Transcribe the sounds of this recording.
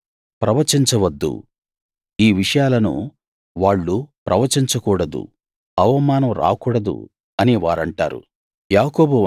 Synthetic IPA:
pɾɐʋɐt͡ʃiɲt͡ʃɐʋɐd̪ːṵ | iːʋiʂɐjaːlɐnṵ | ʋaːɭːupɾʔɐʋɐt͡ʃiɲt͡ʃɐkuːɽɐd̪ṵ | ɐʋɐmaːnɐmɾa̰ːkuːɽɐd̪ṵ | ɐniʋaːɾɐɳʈa̰ːɾṵ | jaːkoːbu

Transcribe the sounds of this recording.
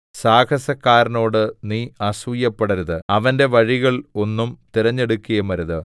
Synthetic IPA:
saːkʰɐsɐkːaːɾɐno̞ːɽɨniːɐsʋujːɐpːeɽɐɾuðɨɐʋɐnde̞ʋɐɻiɣɐɭo̞nːumt̪iɾɐɲːe̞ɽukːujɐmɐɾuðɨ

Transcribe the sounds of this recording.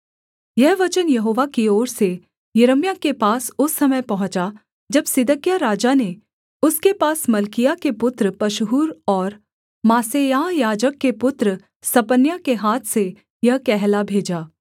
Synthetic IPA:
jɛɦʋɐt͡ʃənjɐɦoːʋakioːɾse | jɐɾəmjakepaːsʊsːɐməjpɐɦʊ̃t͡ʃa | d͡ʒɐbsɪd̪əkjaɾaːd͡ʒane | ʊskepaːsmɐlkijakepʊt̪ɾəpɐʃɦuːɾɔːɾ | maːsejaːɦjaːd͡ʒəkːepʊt̪ɾə | sɐpənjakeɦaːt̪ʰse | jɐɦkɛɦlabʱeːd͡ʒaː

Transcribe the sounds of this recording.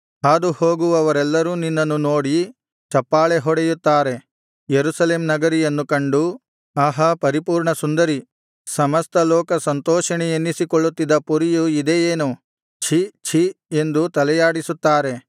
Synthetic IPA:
aːd̪uhoːɡuʋɐʋɐɾɛlːɐɾuːninːɐnːunoːɽi | t͡ʃɐpːaːɭeɦɔɽɛjut̪ːaːɾe̞ | jeɾusɐle̞ːmnɐɡɐɾijɐnːukɐɳɖu | aɦɐpɐɾipuːɾɳɐsund̪ɐɾi | sɐmɐst̪ɐlɔːkɐsɐnt̪ɔːʃɐɳɛjenːisikoɭːut̪ːid̪ɐpuɾijuid̪ejeːnu | t͡ʃʰit͡ʃʰie̞nd̪ut̪ɐlɛjaːɽisut̪ːaːɾe̞

